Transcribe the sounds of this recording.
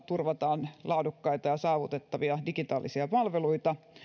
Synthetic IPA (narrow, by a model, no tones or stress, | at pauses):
t̪urʋɑt̪ɑːnlʔɑudukːɑit̪ɑjɑsɑːʋut̪et̪ːɑʋiɑdikit̪ɑːlisiɑpɑlʋeluit̪ɑ